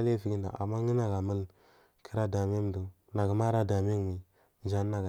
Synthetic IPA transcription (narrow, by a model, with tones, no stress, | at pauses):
le˦˨fi˨˦ɡi˦nda̰˨ʔa̰˨mːa˦ŋi˦na˨ɡa˨mə˦l | ki˦ɾa˦da˨m˦e˦m˨du˨ | na˨ɡə˨ma˦ɾa˦da˨mi˦ŋ˨mi˨ | d͡ʒa˦nː˦a˨ɡa˨